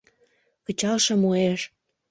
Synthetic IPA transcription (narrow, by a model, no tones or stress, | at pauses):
kə̆t͡ɕɑlʃə̆mueʃ